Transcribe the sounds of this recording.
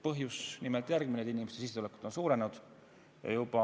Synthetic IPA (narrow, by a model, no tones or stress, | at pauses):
pɤɦjusnimelt̪jærɡ̥mined̪inimest̪esisːeule̞ku̥d̪̥o̞nsuːɾe̞nud̪̥ | jɑ̰jubɑ